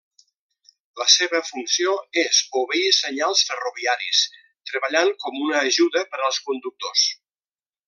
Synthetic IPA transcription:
ləseβəfunsioezoβeisəɲalˠsfəruβiaɾis | t̪ɾəβəʎaŋkɔmunəːʒuðəpəɾəlˠskund̪uk̚t̪os

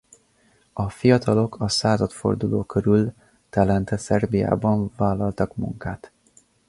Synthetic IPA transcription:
ɒfijɒt̪ʰɒlo̞kʰɒsaːzɒt̪fo̞̰rd̪uloːkøɾyl | t̪ɛlɛnt̪ɛsɛrbija̰ːbɒɱvaːlːɒlt̪ɒkmṵŋkaːt̪

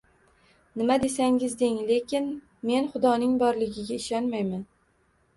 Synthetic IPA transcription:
nɪmad̪e̞saŋʲɪzd̪eŋle̞kʲɪn | me̞nχʊd̪ɒnɪŋbɒɾlɪɡʲɪɡʲaɪʃɒnmajman

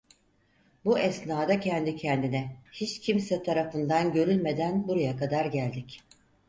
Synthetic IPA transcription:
buʔɛsnaːd̪acʰɛnd̪icʰɛnd̪inɛhit͡ʃcʰimsɛt̪ʰaɾafɯnd̪anɟø̞ɾylʲme̞d̪ænbuɾajakad̪aɾɟælʲd̪ic

